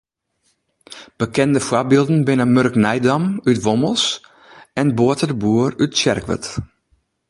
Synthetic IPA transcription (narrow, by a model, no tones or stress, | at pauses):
b̥əkɛndəfwabilˠdn̩bɪnəmørknɛjdamytʋoməlˠs | ɛnboətədəbuərytsɛ̰rkʋə̰t